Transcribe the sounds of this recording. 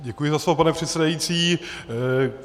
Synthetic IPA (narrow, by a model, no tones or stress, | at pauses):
ɟɛkujɪzaslovp̬anɛpr̥ɛt̪sɛdajit͡siː